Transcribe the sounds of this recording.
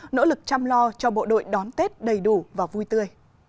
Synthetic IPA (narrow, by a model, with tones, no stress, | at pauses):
no̰˧˥lɨ˨˩k̚t͡ɕa˧mlɔ˧t͡ɕɔ˧ɓo̰˧˨ɗo̰˧˨jɗɔ˨˦nt̪e˦˥t̚ɗə˨˩jɗu˧˩vaː˨˩vu˧jt̪ɨ˧əj